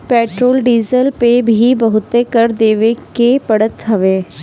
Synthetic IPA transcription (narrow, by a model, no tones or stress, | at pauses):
peːʈɾoːlɖiːzəlpebʱibəɦʊt̪ekəɾd̪eːʋekepɐɽət̪ɦɐʋeː